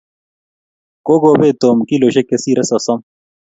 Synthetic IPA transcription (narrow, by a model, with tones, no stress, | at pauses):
ko˦ɡoː˨beː˦t̪oːmki˦lo˨ɕekesiɾɐ˦sɐsɐm